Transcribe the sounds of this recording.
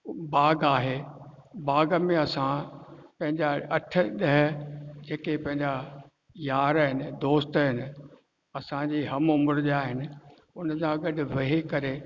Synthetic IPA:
baːɡaːɦeː | baːɡəmẽɐsãpɐ̃ɦɪ̃ɲd͡ʑaɐʈʰə̆ɗɐɦd͡ʑeːkepɐ̃ɦɪ̃ɲd͡ʑa | jaːɾaːɦɪnɪ̆d̪oːst̪ɦɪnɪ̆ | ɐsãd͡ʑiːɦɐmʊmɾd͡ʑaːɦɪnɪ̆ | ʊnsãɡɐɗʊ̆ʋɐɦikɐɾe

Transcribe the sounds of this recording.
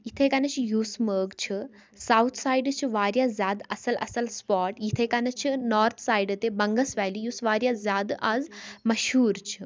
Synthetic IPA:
jit̪ʰekanɐt͡ʃʰijuːsməːɡt͡ʃʰɨ | sawt̪ʰsaːjɖt͡ʃʰiʋaːɾjazʲjaːd̪ɐsɐlʔɐ̰sɐlspɔːʈjit̪ʰekanɐt͡ʃʰinɔːɾt̪ʰsaːjɖt̪ebɐŋɡəsʋɛːlijuːsʋaːɾjazʲjaːd̪aːzmɐʃɦuːɾt͡ʃʰi̥

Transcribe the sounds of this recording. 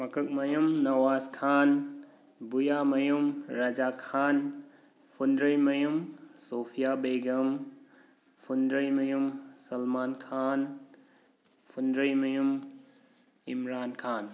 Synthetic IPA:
mɐkʰɐk̚mɐjumnɐwaːskʰan | bujamɐjumɾad͡ʒakʰaːn | pʰundɾɐjmɐjumsopʰijabeɡɐm | pʰundɾɐjmɐjumsɐlmaːnkʰan | pʰundɾɐjmɐjum | imɾaːnkʰaːn

